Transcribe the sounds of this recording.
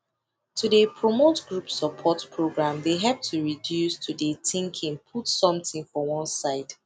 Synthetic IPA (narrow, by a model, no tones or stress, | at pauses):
tʰudepʰɹomotɡɹupsəpʰɔtpʰɹoɡɹãmdeɦɛp̚tʰuɹidjustʰudetʰĩŋkʰĩŋpʰutsɔ̃mθɪ̃ŋfɔwɔ̃nsaɪd̥